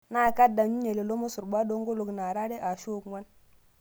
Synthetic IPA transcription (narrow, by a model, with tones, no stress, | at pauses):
na˦˨ka˦da˨ɲu˦ɲe˨le˨lo˦mo˦su˨ɾba˦do˦ŋɡo˦lo˨kna˨ɾa˦ɾe˦ʔa˨ʃo˦˨kŋwa˦n